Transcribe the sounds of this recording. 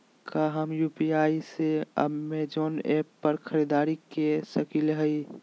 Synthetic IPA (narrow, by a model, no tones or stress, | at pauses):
kʰaɦəmjupiaːiseə̰bmed͡ʒoːneːpːəɾkʰəɾid̪aːɾikesəkilɦəi